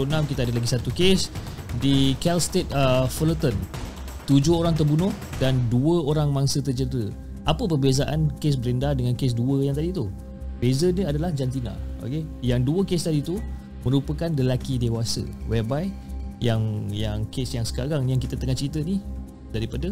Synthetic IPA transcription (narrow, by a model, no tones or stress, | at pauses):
onamkit̪əadəlaɡisat̪ukesdikɛlst̪et̪̚əfələt̪ən | t̪ud͡ʒʊhoɾaŋt̪̬ərbunʊhdanduəoɾaŋmaŋsət̪ərd͡ʒədəɾə | ʔapəpərbezaʔankes̬bəɾendadəŋankes̬duəjaŋt̪adit̪u | bezəniadalahd͡ʒant̪ina̰o̰kejaŋduəkest̪adit̪u | mə̃ɾupəkanləlakidewasə̰wɛbajjaŋjaŋkesjaŋsə̥kaɾaŋjaŋkit̪ət̪əŋaht͡ʃəɾit̪əni | daɾipadə